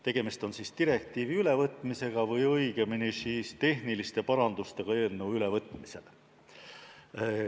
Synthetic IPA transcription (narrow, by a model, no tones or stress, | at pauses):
t̪e̞ɡ̥e̞mist̪o̞nsist̪iɾe̞k̚t̪ˑiːviyle̞vɤt̪ːˑmise̞ɡ̥ɑvɤjɤjɡ̥e̞minisiːst̪e̞ɦnilist̪e̞pɑɾɑnd̪̥ust̪e̞ɡ̥ɑe̞ːlnːewyle̞vɤt̪ːˑmise̞̰l